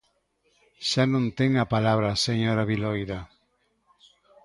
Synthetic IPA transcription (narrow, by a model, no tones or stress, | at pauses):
ʃanõnt̪eŋapalaβɾaseɲoɾaβilojða